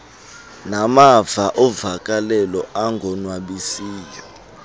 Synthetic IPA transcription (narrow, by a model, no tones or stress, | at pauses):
namavaʔɔvakʼalɛlɔʔaŋɡʱɔnwaɓisiːjɔ